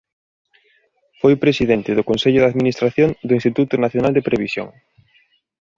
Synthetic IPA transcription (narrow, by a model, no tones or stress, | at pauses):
fojpɾesiðent̪ɪðʊkonseʎʊðaðminist̪ɾaθjond̪ʊĩnst̪it̪ut̪ʊnaθjonald̪epɾeβisjõ̰ŋ